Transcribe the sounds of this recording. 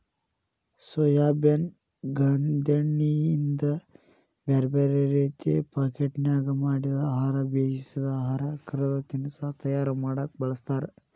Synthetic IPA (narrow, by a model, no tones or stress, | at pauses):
sojaːben | ɡɐnd̪ɐɳːiind̪ɐ | bɐɾbɐɾeɾeːt̪ḛpaːkeʈnjaːɡɐmaːɽid̪ɐaːɦaːɾɐbeːd͡ʒisid̪ɐaːɦaːɾɐkɐɾɐd̪ɐt̪inisat̪ɐjaːɾɐmaːɽɐk̚bɐɭɐst̪aːɾɐ